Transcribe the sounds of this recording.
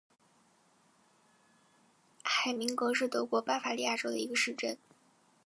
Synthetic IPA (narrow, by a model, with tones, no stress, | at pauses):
xa˨˩ɪmi˧˥ŋkwɤ˧˥ʂɻ̩˥˩t̪ɤ˧˥kwɔ˧˥pa˥˩fa˧˥li˥˧ja˥˩ʈ͡ʂo˥ʊd̪ə̰˨˩i˧˥ɡə˧ʂɻ̩˥˧ʈ͡ʂə˥˩n